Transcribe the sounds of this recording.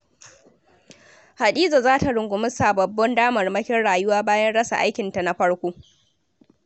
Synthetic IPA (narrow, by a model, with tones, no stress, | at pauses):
ha˨ɗiː˦za˨zaː˦ta˨ɽʊ˨ŋɡʷʊ˨mʊ˦saː˨bɐ˨bːɔ˦ndaː˦mɐ˨rmɐ˦kʲɪ˦nɽaː˨jʊ˦waː˦baː˦jɐ˦nɽɐ˦sa̰˨ʔa˦jkʲɪ˨nta˨na˦ɸɐ˦ɽkʷoː˦